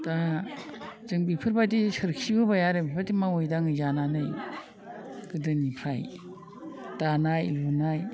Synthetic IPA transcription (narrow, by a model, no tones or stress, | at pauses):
da | zɯŋbipʰɯɾbadisɯɾkʰibɯbajaɾɯbipʰadimawojdaŋɯzananɯj | ɡ̥ɯdɯnipʰɾaj | danajlunaj